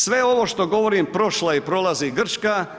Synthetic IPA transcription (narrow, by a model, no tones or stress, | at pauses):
sʋe̞o̞ʋo̞ʃt̪o̞ɡo̞ʋo̞ɾimpɾo̞ʃlˠaipɾo̞lˠaziɡr̩t͡ʃka